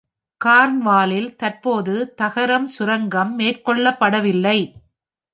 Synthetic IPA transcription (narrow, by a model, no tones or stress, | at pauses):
kaːɾnʋaːlɪlt̪ɐrpoːðɯt̪ɐɣɐɾɐmsʊɾɐŋɡɐmːeːrkɔɭːɐpːɐɽɐʋɪlːɐɪ